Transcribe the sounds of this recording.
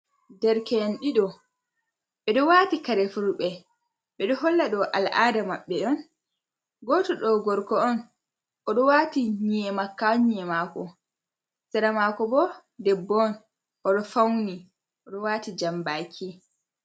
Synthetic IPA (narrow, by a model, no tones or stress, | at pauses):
dɛɾkɛnɗiɗɔ | ɓɛɗɔwaːtikaɾɛfuɾɓɛ | ɓɛɗɔɦɔlːaɗɔʔa̰lʔadamaɓːɛɗɔn | ɡɔtɔɗɔɡɔɾkɔɔn | ʔɔɗɔwaːtiɲɛmakːaɲɛmaːkɔ | sɛɾamaːkɔbɔ | dɛbːɔn | ʔɔɗɔfawni | ʔɔɗɔwaːtid͡ʒambakʰi